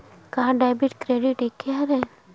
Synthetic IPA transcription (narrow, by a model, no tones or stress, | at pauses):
kaɦãɖajbiʈkɾeɖiʈekʰːeaɾɛ